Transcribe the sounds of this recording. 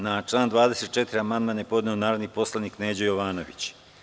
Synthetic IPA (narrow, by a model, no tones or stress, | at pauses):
nat͡ʃlˠaːnd̪ʋaːd̪eset̪̚t͡ʃet̪iɾiamand̪manepo̞d̪neonaːɾod̪nipo̞slˠaniːkneːd͡ʑojoʋaːnoʋḭt͡ɕ